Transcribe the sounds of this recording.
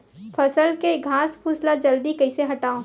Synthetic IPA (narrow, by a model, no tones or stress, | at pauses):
fʰɐsəlkeɡʱãːspʰuslad͡ʒɐld̪ikɐɪseɦɐʈaːõ